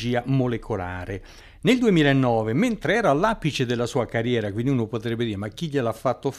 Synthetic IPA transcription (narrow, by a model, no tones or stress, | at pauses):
d͡ʒiːamolekʰola̰ːɾe | neld̪uemiːlaenːɔːvement̪ɾeɛːɾalːaːpit͡ʃed̪elːasuːakarjɛːɾakwind̪iunopot̪ɾɛbːed̪iːɾemakːiʎelafːat̪ːof